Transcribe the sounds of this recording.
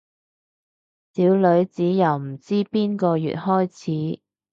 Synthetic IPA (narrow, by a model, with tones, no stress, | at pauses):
siː˨˥wlɵ˨˧˥ɥt͡siː˨˥jɐ˨˩wm̩˨˩t͡siː˥piː˥nkɔː˧jy̰˨t̚hɔː˥jt͡sʰiː˨˥